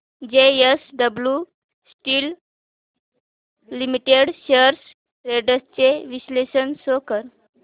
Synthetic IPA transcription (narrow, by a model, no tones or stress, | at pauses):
d͡ʑeesɖəblju | sʈiːl | imiʈeɽɕəɾs | ɾeɖəst͡seʋislesənsokəɾ